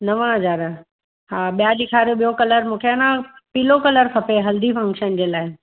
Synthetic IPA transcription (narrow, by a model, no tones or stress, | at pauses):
nɐʋə̃ɽ̃əd͡ʑaːɾə | ɦaːɓijaɗɪkʰaːɾjoɓijokɐləɾmũːkʰeanãpiːlokɐləɾkʰɐpeɦɐld̪ifʰɐ̃ŋkʃənd͡ʑeːlaːɪ